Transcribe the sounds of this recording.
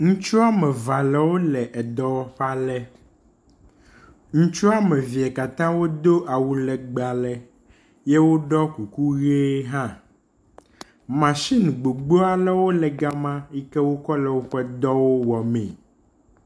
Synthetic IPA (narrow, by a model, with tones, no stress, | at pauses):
ŋũ˦t͡ʃu˦a˦mɛ̃˨va˨lɛ˨wo˦lɛ˨ʔɛ˨d̪ɔ˦wɔ˦ɸa˦lɛ˦ | ŋũ˦t͡ʃu˦a˦mɛ˨vi˨ɛ˨ka˨t̪ã˦wo˦d̪o˦ʔa˨wu˦lɛ˨ɡ͡ba˨lɛ˨ | jɛ˦wo˦ɖɔ˦ku˨ku˦ɣe˦ɦã˦ | mã˨ʃi˦nũ˨ɡ͡bo˨ɡ͡bo˦a˦˨lɛ˦wo˦lɛ˨ɡa˦mã˦i˦kɛ˦wo˦kɔ˦lɛ˨wo˦ɸɛ˦d̪ɔ˦wo˦wɔ˨mɛ̰̃˨